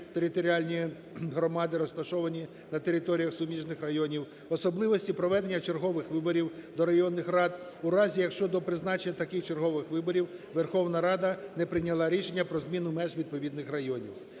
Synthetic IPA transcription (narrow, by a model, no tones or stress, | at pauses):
t̪eɾʲɪt̪ɔɾʲiɑlʲnʲi | ɦɾɔmɑd̪ɪɾɔst̪ɐʃɔʋɐnʲi | nɐt̪eɾʲɪt̪ɔɾʲijɐxsʊmʲiʒnɪxrɐjɔnʲiw | ɔsɔblˠɪʋɔsʲtʲipɾɔʋɛd̪enʲːɐt͡ʃerɦɔʋɪxʋɪbɔɾʲiwd̪ɔɾɐjɔnːɪxrɑd̪ | uɾɑzʲijɐkʃt͡ʃɔd̪ɔpɾɪznɑt͡ʃenʲːɐt̪ɐkɪxt͡ʃerɦɔʋɪxʋɪbɔɾʲiwʋerxɔwnɐɾɑd̪ɐnɛpɾɪnʲɐlˠɑɾʲiʃenʲːɐpɾɔzmʲinʊmɛʒʋʲid̪̚pɔʋʲid̪nɪxrɐjɔnʲḭw